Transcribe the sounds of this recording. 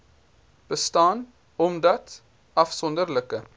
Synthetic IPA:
b̥əstɑːn | ɔmdɐt | ɐfsɔndərləkə

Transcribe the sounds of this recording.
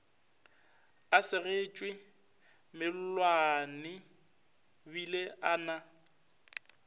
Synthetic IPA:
asɪɣet͡ʃʼwɪ | mɪl̩lwanɪ | bileʔaːna

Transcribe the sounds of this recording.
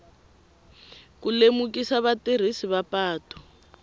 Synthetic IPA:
kulemukisaβater̤isiβapaːtɔ̥

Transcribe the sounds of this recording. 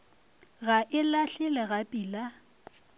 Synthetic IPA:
ɣaʔɪlaɬɪlɛɣapʼiːla

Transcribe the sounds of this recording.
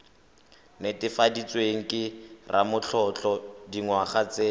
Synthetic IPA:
netɪfadit͡sweŋ̩kɪrʔa̰mʊt͡ɬʰɔt͡ɬɔdiŋwaχat͡se

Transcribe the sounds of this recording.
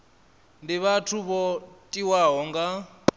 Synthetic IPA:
ndiβatʰuβɔtʼiwaɦɔŋɡa

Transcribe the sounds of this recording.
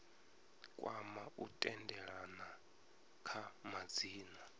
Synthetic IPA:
kʼwamautʼɛndɛɺana | kʰamad͡ziːna

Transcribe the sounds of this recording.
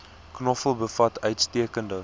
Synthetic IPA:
knɔfəlˠbəfɐtʰœɥtstiəkəndə

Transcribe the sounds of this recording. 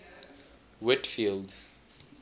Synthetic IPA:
wɪʈfild

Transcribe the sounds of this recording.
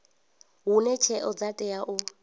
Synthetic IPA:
ɦunɛt͡ʃʰɛʔɔd͡zatʼɛaʔʊ

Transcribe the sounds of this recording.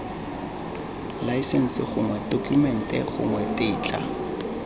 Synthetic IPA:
laisɛn̩sɪχʊŋwɛdokʰʼumɛn̩tʼɛχʊ̰ŋwɛtʼɪːt͡ɬʼa̰

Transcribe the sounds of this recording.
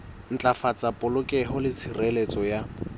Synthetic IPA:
n̩t͡ɬʼafat͡sʼapʼʊlʊkʼɛɦʊlɪt͡sʰirɛlet͡sʼɔja

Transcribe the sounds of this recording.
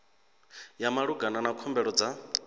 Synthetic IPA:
jamaɺuɡananakʰɔmbɛɺɔd͡za

